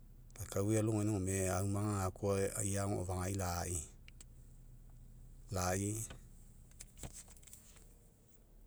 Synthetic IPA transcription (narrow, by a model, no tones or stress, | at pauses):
lakawialuŋenĩomeaumãŋaakua̰jaŋoo̰vaŋailai | lai